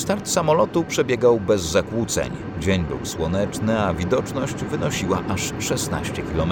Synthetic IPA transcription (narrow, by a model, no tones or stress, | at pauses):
st̪aɾt̪samɔlɔt̪upʂɛbʲjɛɡawbɛzːakwut̪sɛ̰ɲ | d͡ʑeɲbṵwswɔnɛt͡ʂnɘavʲid̪ɔt͡ʂnɔɕd͡ʑvɘnɔɕiwaʔaʂʂɛsna̰ɕt͡ɕɛkʲilɔm